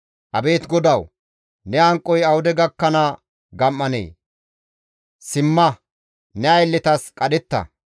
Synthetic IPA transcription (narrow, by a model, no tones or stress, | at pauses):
ʔɐ̰be̞ːt̪ɡɔd̪ɐw | nɛɐŋkʼːɔjɐwʊd̪ɛɡɐkːɐnɐ | ɡɐmːɐnḛː | sɪmːɐ | nɛɐjlːɪt̪ɐskʼɐd̪ɛt̪ːɐ̰